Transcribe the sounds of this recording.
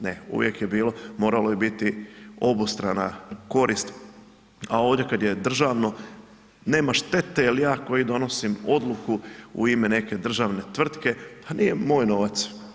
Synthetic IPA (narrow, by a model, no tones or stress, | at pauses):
neṵʋjekjebiːlo̞mo̞ːɾalojibit̪io̞bust̪ɾana̰ko̞ɾʔist̪ | ao̞ːʋd̪je̞kad̪je̞d̪r̩ʒaʋno̞ | ne̞ːmaʃt̪e̞t̪eilijaːko̞jid̪o̞no̞simo̞d̪lˠukuṵimene̞ke̞d̪r̩ʒaːʋne̞t̪ʋr̩t̪ke̞panije̞mo̞ːjno̞ʋat̪s